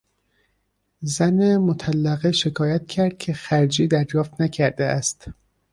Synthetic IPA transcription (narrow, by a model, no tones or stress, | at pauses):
zænemot̪ʰælːæɣeʃe̞kʰɒːjæt̪̚cʰæɾd̪̥̚cʰe̞xæɾd͡ʒiːd̪æɾjɒːft̪næcʰæɾd̪eæst̪